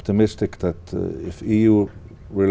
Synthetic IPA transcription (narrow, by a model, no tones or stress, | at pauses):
pt̪əmɪstɪkðætɪ̰fiju | ɹɪl